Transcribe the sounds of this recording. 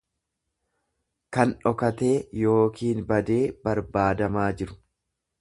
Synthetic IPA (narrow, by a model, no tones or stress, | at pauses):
kɐnᶑɔkɐt̪e̞ːjo̞ːkiːnbɐd̪e̞ːbɐɾbaːd̪ɐmaːd͡ʒɪɾʊ̥